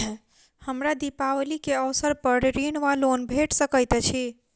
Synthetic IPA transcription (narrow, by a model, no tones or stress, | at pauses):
həmɾad̪ipawlikeəʋsəɾpəɾɾinʋalonbʱeʈsəkəjt̪ɛt͡ʃʰi